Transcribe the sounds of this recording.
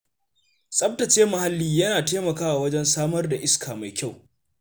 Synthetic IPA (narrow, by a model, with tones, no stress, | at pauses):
sʼɐ˦b̚tɐ˨t͡ʃeː˦mɐ˨ha˦lːiː˦jɐ˦naː˨teː˦mɐ˨kaː˦wa˨wɐ˦d͡ʒɛ˦nsaː˦mɐ˦rda˨ʔɪ˦skʰaː˨ma˨jkʲa˦˨w